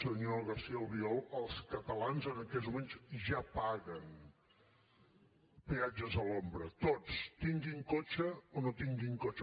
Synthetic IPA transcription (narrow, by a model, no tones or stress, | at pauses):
səðunoəlˠɣəɾsiəlˠβiɔlˠəlˠskət̪əlanzənəkɛt̪zmumeɲzʒapaɣən | pead͡ʒəzəlombɾət̪ot͡st̪iŋɡiŋkot͡ʃəonot̪iŋɡiŋkot͡ʃ